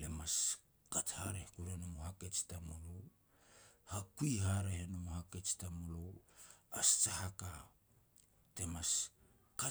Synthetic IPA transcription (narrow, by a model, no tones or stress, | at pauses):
lemas | kathaɾehkuɾenomohake̞t͡ʃtamolow | hakujɦaɾehenomohake̞t͡ʃtamolo̞wast͡ʃahaka | te̞mas | ka